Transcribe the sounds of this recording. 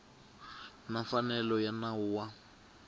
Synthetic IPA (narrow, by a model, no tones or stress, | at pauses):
nafanɛlɔjanauːwa